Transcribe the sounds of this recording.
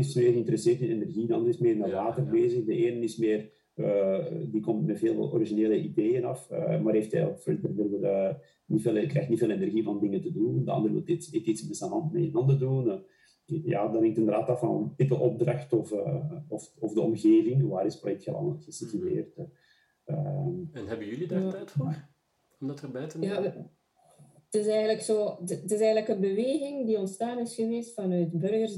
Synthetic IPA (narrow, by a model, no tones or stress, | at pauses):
ɪsmeːrɣəɪntəɾɛseːrtɪnɛnɛrɣiːdəɑndəɾɪsmeːrnarʋaːtərbeːzəxdəʔeːnəɪsmeːr | dikɔmtmɛtveːlˠvɑ̰lʔɔ̰ɾiʒineːləʔideːjənɑfə̰maːɾɦeftɦɛ̰jo̰fɛdərvɛrdənəː | niveːlkrɛ̰xtnifeːlˠɛnɛrɣivɑndɪŋəntədundəɑ̰nd̪ərəmutɪtsɪtitsdəsamɑntmɛənɑnd̪ərdunə | ja̰ːdɑnhɛŋ̚təndəɾaːtavɑ̰ntɪpəlʔɔb̚drɑxtɔfəɔfɔvdəɔmɣeːvɪŋʋaːɾɪsət̚projɛk̚txəlɑ̰ŋətxəsityḛːrt | əɛnɦɛbəjylidatɛjtfo | ɔmdɑtərbɛːtənja | tɪsɛjɣənləksoːtɪsɛjɣənləkənbəʋeːɣɪŋdiɔntstaːnɪsxəʋeːstfɑnœːtbɵrɣər